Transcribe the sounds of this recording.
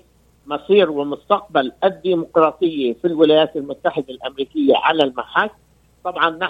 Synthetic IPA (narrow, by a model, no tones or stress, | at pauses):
mɑsˤiːɾwɪmʊst̪ɑq̚balʔad̪ːiːmʊqɾˤɑːt̪ˤɨjːafilwɪlajaːt̪almʊt̪ːaħɪd̪alʔamɾiːkɪjːa̰ʕalalmaħaːt | t̪ˤɑbʕɑnːa